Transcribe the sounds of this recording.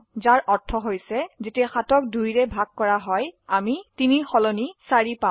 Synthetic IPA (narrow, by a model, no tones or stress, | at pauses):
zaɹʔɔɹtʰːɔɦojsɛzetiɛxatɔk̚dujɹɛbʱaɡ̚kɔɹaɦɔjamitinixɔlɔnisaɹipã